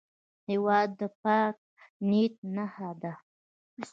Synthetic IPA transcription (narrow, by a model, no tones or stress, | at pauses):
hewɑd̪ːəp̚ɑk̚nit̪̚nahad̪a